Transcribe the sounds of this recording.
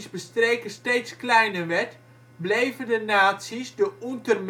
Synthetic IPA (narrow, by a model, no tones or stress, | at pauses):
zbəstreːkəsteːtsklɛjnəʋɛt | blejvəndənaːtsizdəuntərm